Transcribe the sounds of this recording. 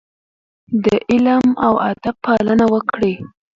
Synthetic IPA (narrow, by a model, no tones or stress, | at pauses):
d̪əʔɪlmawad̪abpːalənawəkɽe